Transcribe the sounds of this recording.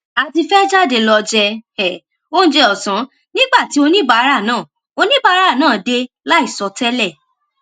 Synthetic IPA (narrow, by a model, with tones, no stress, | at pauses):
a˧ti˧fɛ˦d͡ʒa˦˨de˧lɔ˧d͡ʒɛ˧ɛ˨ | o˦ñ̩˦d͡ʒe˧ɔ˨sã˨˦ | nĩ˦ɡ͡ba˦˨ti˨˦o˧nĩ˦ba˨˦ɾa˦˨nãː˦˨ | o˧nĩ˦ba˧˦ɾa˦˨nãː˦˨de˧ | la˦i˦˨sɔ˧˦tɛ˦lɛ˦˨